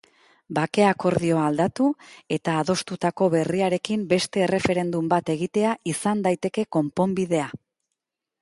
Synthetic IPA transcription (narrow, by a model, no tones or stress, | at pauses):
bake̞ako̞ɾðio̞ald̪at̪ue̞t̪aːðo̞st̪ut̪ako̞βe̞riaɾe̞kimbe̞st̪e̞ːre̞fe̞ɾe̞nd̪umbat̪e̞ɣ̞it̪e̞aisand̪ajt̪e̞ke̞ko̞mpo̞mbiðe̞a